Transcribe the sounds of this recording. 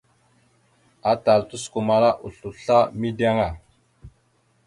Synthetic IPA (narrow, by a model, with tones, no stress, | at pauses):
a˨ta˨ltu˦sku˨ma˨ɾa˦ʔu˨ɬu˨ɬa˦mi˦da˦ŋa˨